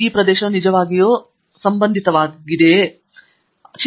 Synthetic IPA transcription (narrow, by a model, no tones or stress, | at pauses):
iːpɾɐd̪eːʃɐmnid͡ʒɐʋaːɡijoː | sɐmbɐnd̪ʱit̪ɐʋaːɡid̪e̞ | t͡ʃ